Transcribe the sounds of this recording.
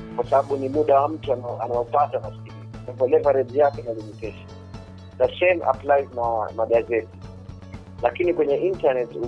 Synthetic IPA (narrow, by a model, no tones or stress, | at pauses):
kwasaɓaɓunimuɗawam̩tuaanaɔpatanaskikinapɔlɛvaɾɛdjakɛnalimitɛʃḁ | ðasɛmʔa̰plajiznamaɡazɛti̥ | lakinikwɛɲɛʔintanɛtu